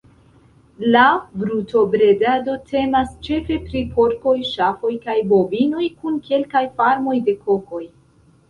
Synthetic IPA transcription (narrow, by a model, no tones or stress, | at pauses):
labɾuto̞bɾe̞dado̞tʰe̞mast͡ʃe̞fe̞pɾipʰo̞ɾko̞jʃafo̞jkajbo̞bino̞jkunkʰe̞lkajfaɾmo̞jde̞kʰoko̞j